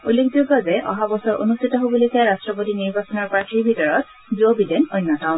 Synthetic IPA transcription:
ulːekʰzoɡazɛʔɔ̰ɦabɔsɔɹʔo̰nustʰitɔɦoboloejkaɹastɹɔpotiniɹbasɔnɔɹpɹakibʱitɔɹɔt̚ | zuobidɛnojnːɔtaʊ̃n

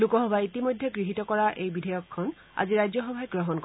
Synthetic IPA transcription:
lukɔɦɔbaitimojd̪ʱːeɡɹiɦit̪ɔkɔɹaʔejbidʱɔjɔkʰːɔn | a̰ziɹajd͡ʒɔxɔbʱajɡɹɔɦɔnk

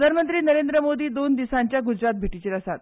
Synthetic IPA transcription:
anmənt̪ɾiːnəɾend̪ɾəmod̪iːd̪ond̪isaɲt͡ɕjaɡud͡ʑɾat̪̚bʱeʈit͡ɕeːɾəsat̪̚

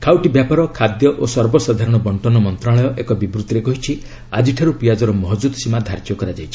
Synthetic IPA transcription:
kʰawʈibjapaɾɔkʰad̪jɔʔosɔɾbɔsad̪ʱaɾɔɽ̃ɔbɔɳtɔnɔmɔnt̪ɾaɭɔjɔʔekɔbibɾut̪iɾekɔɦit͡ʃʰi | ad͡ʒiʈʰaɾupijad͡ʒɔɾɔmɔɦɔd͡ʒud̪simad̪ʱaɾd͡ʒjɔkɔɾad͡ʒajt͡ʃʰi

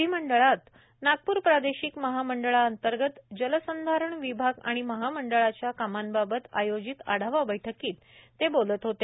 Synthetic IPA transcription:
iːməɳɖəɭat̪ | naɡ̚puːɾpɾad̪eɕikməɦaməɳɖəɭaənt̪əɾɡət̪d͡ʑələsənd̪ʱaɾəɳʋibʱaɡa̰ɽ̃iməɦaməɳɖəɭat͡ɕjakamanbabət̪ajod͡ʑit̪a̰ɽ̤aʋabəjʈʰəkiːt̪ː | ebolət̪ɦot̪e

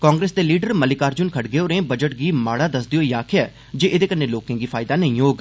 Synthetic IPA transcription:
kãːŋɡɾeːsd̪eːliːɖəɾməlɪkaːɾd͡ʒʊnkʰəʈɡeːoːɾẽːbəd͡ʒəʈ̚ɡiːmaːɽaːd̪əsd̪ioːiːaːkʰɪɛː | d͡ʒeːʔɪd̪eːkənːẽːloːkẽːɡiːpʰaːɪd̪aːnəĩːoːɡ

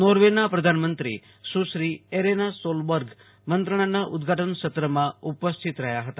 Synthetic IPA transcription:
noɾʋenapɾəd̪ʱanmənt̪ɾḭ | ʃuʃɾieɾenasolbəɾɡʱ | mənt̪ɾəɽ̃anaʔud̪ɡʱaʈənʃət̪ɾəmãupəst̪ʰit̪ɾəɦjaɦət̪a

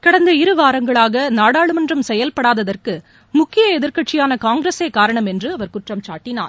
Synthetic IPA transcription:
kɐɽɐnd̪ɐɪɾɯʋaːɾɐŋɡɐɭaːɣɐnaːɽaːɭɯmɐndrɐmsɛjɐlpɐɽaːðɐðɐrkɯ | mʊkːɪjɐɛðɪɾkɐʈt͡ʃːɪjaːnɐkaːŋɡɾeseːkːaːɾɐɳɐmɛndrɯɐʋɐɾkʊʈrɐmt͡ʃa̰ːʈːɪna̰ːɾ

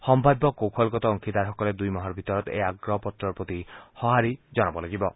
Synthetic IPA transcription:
hɔmbʱabɔkowkʰɔlɡɔt̪ɔːŋkʰid̪aɾɦɔkɔled̪ujmɔɦɔɾbʱit̪ɔɾɔt̪ḛaɡɾɔpɔt̪ɾɔɾpɾɔt̪ihɔɦaɾid͡ʒɔñɔbɔlaɡibɔ

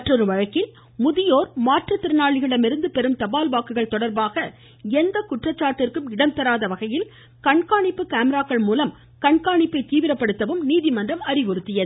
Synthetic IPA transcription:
ɐʈːrɔɾɯʋɐɻɐkːɪl | mʊðɪjoːɾmaːʈrɐt̪ːɪɾɯnaːɭɪɣɐɽɐmɪɾɯnd̪ɯpɛɾɯmt̪ɐbaːlbaːkːɯɣɐɭt̪ɔɽɐɾbaːɣɐ | ɛnd̪ɐkʊʈrɐt͡ʃːaːɾʈːɪrkɯmɪɽɐmt̪ɐɾaːðɐʋɐɣɐjɪl | kɐɳkaːɳɪpːɯkaːmɛɾaːkːɐɭmuːlɐm | kɐɳkaːɳɪpːɐɪt̪iːʋɪɾɐpːɐɽɯt̪ːɐʋɯmniːðɪmɐndrɐmɐrɪʋɔɾɯt̪ːɪjɐðɯ

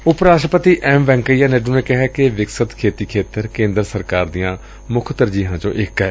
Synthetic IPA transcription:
ʊpɾaːʃʈɾəpət̪iːʔʔɛːmʋɛ̃ːŋkəijaːnɛːɖũːneːkɪɦɛːkɪʋɪksət̪kʰeːt̪iːkʰeːt̪əɾkẽːnd̪ɾəsəɾkaːɾd̪ijãː | mʊkʰt̪əɾd͡ʒiːɦãːt͡ʃõ̰ːʔɪkɦɛː

